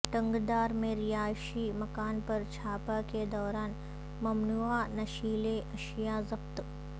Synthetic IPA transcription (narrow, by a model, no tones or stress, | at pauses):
ʈɐ̃ŋɡd̪aːɾmẽɾijaːʃimɐkaːnpɐɾt͡ʃʰaːpaked̪ɔːɾaːn | mɐmnuanɐʃiːleʔɐʃjazɐqt̪